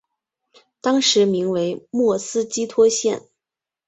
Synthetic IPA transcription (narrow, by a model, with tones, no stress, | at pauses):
t̪ɑ˥ŋʂɻ̩˧˥mi˧˥ŋwe˧˥ɪmwɔ˥˩sɹ̩˥t͡ɕi˥t̪ʰwɔ˥ɕjɛ˥˩n